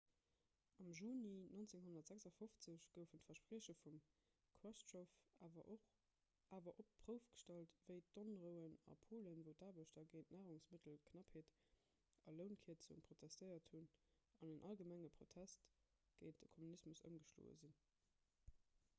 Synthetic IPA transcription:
ɑmʒuːninont͡seŋɦonɐtz̥æksɑfoft͡səɕɡ̥əʊfəntfɐʃpʁiːɕəfum | kʰwæʃtʃof | aːvɐʔop̚pʁ̥əʊfɡ̥ə̥ʃtɑltv̥əɪtonʁəʊənɑ̰pʰoːlənvəʊtaːbəʃdɐɡəɪnʔnæːʁʊŋsmətʰəlkʰnɑpheːt | ɐləʊnkʰiːtz̥uənpʰʁ̥otʰæstəɪɐthun | ɑnənʔɑlɡəmæŋəpχotʰæst | ɡ̥əɪn̚d̥əkʰomunismusə̰mɡəʃlo̰ːə̰zin

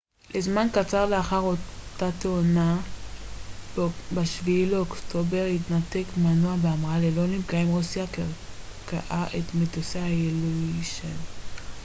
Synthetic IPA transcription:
lʔezmankat͡saʁleaχaʁo̞tat̪eona | baʃviːleoktobe̞ʁhitnate̞kmanuabeamʁalelo̞nimkaimʁusiakaka̰ʔaʔetmetosehajeluiʃen

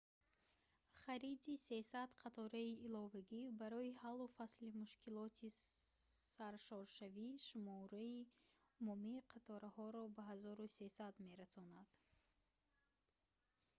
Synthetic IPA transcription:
χaɾid̪ise̞sad̪qʰat̪ʰɔɾaiːlɔvaɡʲibaɾɔihalːufaslimuʃkʰilɔt̪ʰi | saɾʃɔɾʃaviʃumɔɾai | mɔmiqʰat̪ʰɔɾahɔɾɔbaɦazɔɾuse̞sad̪me̞ɾasɔnad̪̥

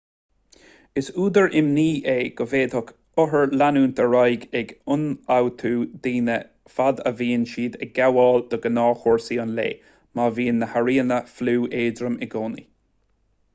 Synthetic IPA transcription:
ɪsuːd̪əɹʔɪmniːʔeːɡ̥əveːd̪hʊk | ʊɦəɹlanuːnt̪ʰəɹajɡɛɡʊnawt̪ʰuːd̪iːnə | fad̪ə̰viːnʃiːd̪ɛɡ̥awɑːld̪̥əɡənɑːxoɹsiənlḛː | maviːnːəhaɹiːənəfluːʔeːdɾəmɪɡoːnḭ

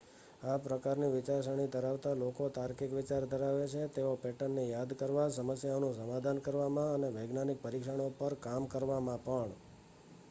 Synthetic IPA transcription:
apɾəkaɾniʋɪt͡ʃaɾʃəɽ̃it̪əɾaʋt̪alokot̪aɾkikʋɪt͡ʃaɾd̪ʱəɾaʋet͡ʃʰet̪eopɛʈənːejad̪kəɾʋasəməsjaonũsəmad̪ʱankəɾʋamãəneʋəɡnanik̚pəɾikʃəɳ̃opəɾkamkəɾʋamãpəɳ

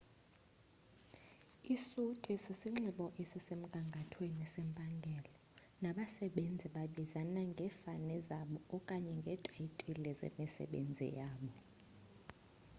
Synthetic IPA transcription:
isutʼɛsisiŋ͡ǁiɓɔʔesisem̩kʼaŋɡʱatʰwenisɛmpʼaŋɡʱɛlɔ | naɓasɛɓend͡zʱiɓaɓizanaŋɡʱɛfanɛzaɓɔɔkʼaɲɛŋɡʱɛtʼajitʼilɛzḛmisɛ̰ɓḛnd͡zʱḭjaːɓɔ

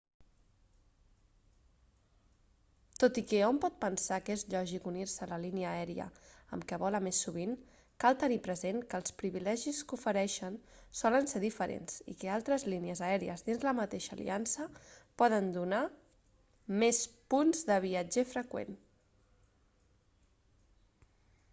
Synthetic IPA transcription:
t̪ot̪ikɛompɔt̪̚pənsakezʎɔʒikunirsələliniəːɛɾiə̰ə̰mkɛβɔləmesːuβin | kalˠt̪ənipɾəzeŋkəlˠspɾiβilɛʒiskufəɾɛʃənsɔlənseɾðifəɾḛnz̥ḭkəalˠt̪ɾəzliniəzəɛɾiə̰zðinzləmət̪eʃə̰ːlḭansəpɔðənd̪una | mespunzðəβ̞iəd͡ʒɛfɾəkwḛn

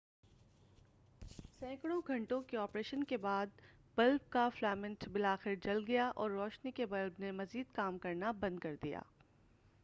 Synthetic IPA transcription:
sɛ̃ːkɽ̃õɡʱɐ̃ɳʈõkeɔːpɾeːʃənkebaːd̪̚ | b̥ɐlb̚kaflɛːmɪ̃nʈbɪlaːxɪɾd͡ʒɐlɡɐjaʔɔːɾːɔːʃnikebɐlbnemɐziːd̪kaːmkɐɾnabɐ̃nd̪̚kɐɾd̪ija̰ː

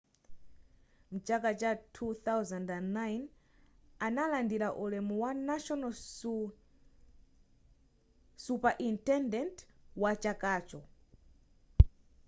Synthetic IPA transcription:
m̩t͡ʃakat͡ʃatʰuθawzandanːajn | analandiɾaʔulɛmuwanaʃɔna | supaʔintɛndɛntwat͡ʃakaːt͡ʃɔ

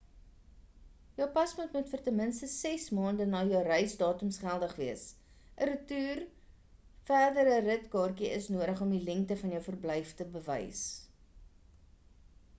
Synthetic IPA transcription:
jœwpɐsmutmutfərtəmənstəsɛsmɑːndənɑːjəwrəjsdɑːtəmsχælˠdəχviəs | ʔəɾətyːr | fæːrdəɾərətkɑːrkiəsnuəɾəχɔmdilɛŋktəfɐnjəwfərblɛjftəbəvə̰js

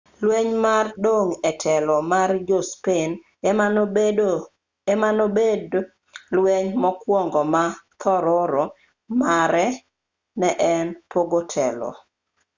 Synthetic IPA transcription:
lwɛɲmardoŋɛtʰɛlɔmard͡ʒospen | ɛmanobed | lweɲmɔkwɔŋɡɔmat̪ʰɔɾɔɾɔ | maɾɛ | nɛʔɛnpoɡotʰɛlɔ̰

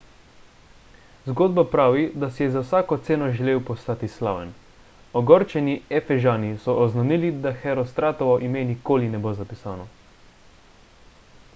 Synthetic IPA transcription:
zɡoːd̪̚bapɾaːʋid̪asijɛzawsaːkɔt̪seːnɔʒɛleːwpɔst̪aːt̪isla̰ːʋɛn | ɔɡɔɾt͡ʃɛniɛfɛʒaːnisɔʔɔznanilid̪axɛɾɔst̪ɾaːt̪ɔʋɔʔimenikoːlinɛboːzapisaːnɔ

